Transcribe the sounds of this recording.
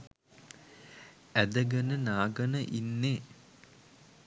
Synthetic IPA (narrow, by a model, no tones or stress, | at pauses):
æd̪əɡənənaːɡənəʔinːeː